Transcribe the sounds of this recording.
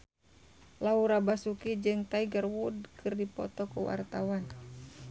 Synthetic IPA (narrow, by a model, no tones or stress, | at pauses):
lauɾabasukid͡ʒɨŋt̪aiɡərwudkʰɨrdipɔ̰t̪ɔkuwa̰rt̪awan